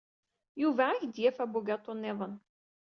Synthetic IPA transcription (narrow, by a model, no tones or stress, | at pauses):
juvææçd̪jæfæbʊɡæt̪ˤonːɪðˤən